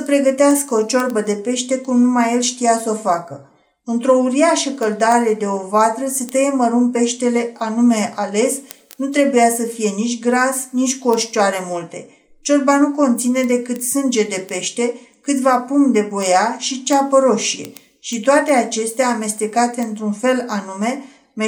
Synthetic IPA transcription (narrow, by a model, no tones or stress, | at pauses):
səpɾe̞ɡət̪easkəot͡ʃo̞rbəd̪e̞pe̞ʃt̪e̞kumnumajelʃt̪ijaso̞fakə | ɨnt̪ɾo̞uɾiaʃəkəld̪aɾe̞d̪e̞o̞vat̪ɾəset̪ejeməɾunpe̞ʃt̪e̞le̞anume̞ʔale̞s | nut̪ɾe̞bujasəfije̞nit͡ʃʲɡɾasnit͡ʃʲkuo̞ʃt͡ʃoaɾe̞mult̪e̞̰ | t͡ʃot̪̚banuko̞nt̪sine̞d̪e̞kɨt̪sɨnd͡ʒe̞d̪e̞pe̞ʃt̪e̞kɨt̪vapumd̪e̞bo̞jaʃit͡ʃapəɾo̞ʃije̞̰ | ʃit̪oat̪e̞at͡ʃe̞st̪eaːme̞st̪e̞kat̪e̞ɨnt̪ɾunfe̞lanume̞ | me